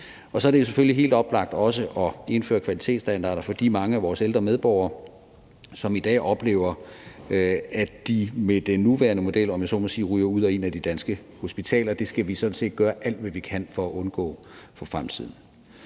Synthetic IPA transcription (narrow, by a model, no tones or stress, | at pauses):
ɒ̽sɒ̽æɐɾe̝jo̝s̬efølliɦe̝̰ːld̥ɒ̽b̥lɑ̈ɡ̥̚d̥ɒ̽s̬əʔɒ̽e̝nfø̰ːɐkʰʋæli̥t͡sʰe̝̰ːd̥sd̥ænd̥ɑ̰̈ːɾɐfɒ̽d̥ḭːmɑ̈ŋəæʋɒːseld̥ʁɐmeð̞ˠb̥ɒʊ̰ɐː | sɒ̽mid̥ɛ̰ːʔɒ̽b̥le̝̰ːʊ̰ɐ | æd̥imed̥enːuʋæɐnəmo̝d̥el̰ɒ̽mjæsɒ̰mɒsiːʁyːɐuð̰ˠɒe̝næd̥id̥ænsɡ̥ə | ho̝sb̥it͡sʰɛ̰ːlɐd̥e̝sɡ̥æʋisɒ̽d̥n̩se̝̰ːd̥̚ɡ̥ɶːɐʔæl̰d̥ʋæʋikʰæn̰fɒ̽æʔɔ̽nɡ̥ɔ̰̽ːfʰɒ̽fʁamt͡sʰið̞̰ˠn̩